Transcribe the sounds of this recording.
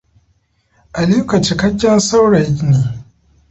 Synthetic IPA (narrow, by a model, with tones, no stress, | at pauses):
ʔa˨liː˦kɐ˨t͡ʃi˨kɐ˦ɡʲːɛ˦nsa˦wɽɐ˨jneː˨